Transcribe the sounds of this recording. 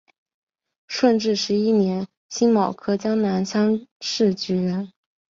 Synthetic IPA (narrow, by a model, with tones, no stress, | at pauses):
ʂwə˥˧nʈ͡ʂɻ̩˥˩ʂɻ̩˧˥i˥njɛ˧˥n | ɕi˥ŋmɑ˨˩ʊkʰɤ˥t͡ɕjɑ˥ŋna˧˥nɕɑ˥ŋʂɻ̩˥˩t͡ɕy˧˥ɥɛ˧˥n